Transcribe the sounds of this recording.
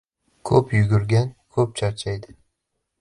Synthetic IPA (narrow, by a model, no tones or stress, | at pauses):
kʰɵpjʊɡʲʊɾɡʲankʰɵp̚t͡ʃʰaɾt͡ʃʰajd̪ɪ